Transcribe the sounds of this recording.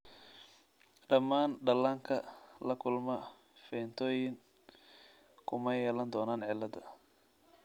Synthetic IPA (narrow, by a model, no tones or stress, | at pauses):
ɖɐmaːnɖɐlaːŋkʰɐlɐkʰʊlmɐ | fɛːnt̪ʰɔːjɪŋ | kʰʊmɐjɛːlɐnd̪ɔːnaːnʕɪlːɐd̪ɐ